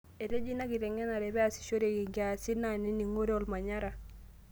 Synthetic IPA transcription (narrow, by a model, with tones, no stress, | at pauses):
e˨ɾe˦d͡ʒi˦na˦ki˨ɾɛ˨ŋɛ˦na˨ɾɛ˨bɛ˦a˨si̥˨ʃo˦ɾe˨ki˨ŋɡa˨si˦nani˦ni˨ŋo˦ɾe˦ɔ˨lma˨ɲa˦ɾa˨